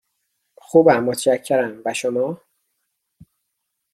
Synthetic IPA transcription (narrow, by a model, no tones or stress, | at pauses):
xuːbæmːot̪ʰʃæcʰːeɾæmbæʃomɒː